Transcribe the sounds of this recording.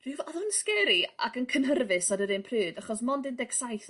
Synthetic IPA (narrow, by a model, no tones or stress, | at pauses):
r̥ɨvɔðʊnskɛɾia̰kənkʰənɦərvɨsɔdəɾɨnpʰrɨːdaχɔs̬mɔndɨndɛɡsajθ